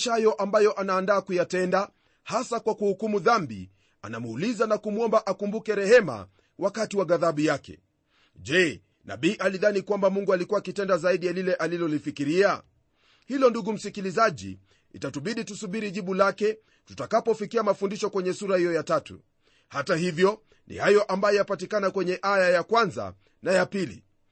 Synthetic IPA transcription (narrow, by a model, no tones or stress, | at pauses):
ʃajɔʔambajɔʔanaːndaːkujatɛnda | hasakwakuhukumuðambḭ | a̰namuːlizanakumuɔmbaʔakumbukɛɾɛhɛma̰ | wakatiwaɡaðaɓujakɛ̰ | ʄɛ | na̰ɓiːʔaliðanikwambamuŋɡualikuwakitɛndazaiɗijalilɛʔalilɔlifikiɾia | hilɔnduɡum̩sikilizaʄḭ | ḭtatuɓiɗitusuɓiɾiʄiɓulakɛ | tutakapɔfikiamafundiʃɔkwɛɲɛsuɾahijɔjatatṵ | hatahivjɔ | nḭhajɔʔambajɔjapatikanakwɛɲɛʔajajakwanza̰ | najapilḭ